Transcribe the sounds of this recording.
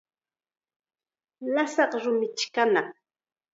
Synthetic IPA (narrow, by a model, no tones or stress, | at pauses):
lasɑqɾʊmɪt͡ʃkana